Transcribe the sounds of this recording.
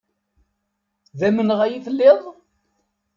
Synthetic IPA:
ðæmənʁæjiθəlːeðˤ

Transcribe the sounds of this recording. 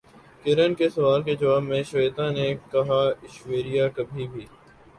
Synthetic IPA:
kɪɾənkesɐʋaːlked͡ʒɐʋaːbmẽʃʋeːt̪ãnekɐɦaɪʃʋeːɾijakɐbʱibʱiː

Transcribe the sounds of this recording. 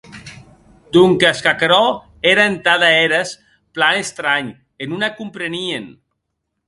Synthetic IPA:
d̪uŋkaskakɾɔ | eɾaent̪aðaeɾas | planest̪ɾaɲ | enunakumpɾenien

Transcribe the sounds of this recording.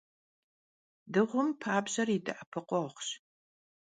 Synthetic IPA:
dɨʁʷʊmpʰaːbʑɐridɨ̰ʔɐpʰɨqʷʼɔχʷɕ

